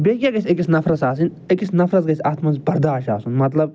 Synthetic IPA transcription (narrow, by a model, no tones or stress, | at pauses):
beːkʲjaːɡɐsʲekisnɐfɾɐt̪saːsin | ekisnɐfɾɐt̪ɡɐsʲaːt̪ʰmɐnzbɐɾd̪aːʃaːsunmɐt̪lɐb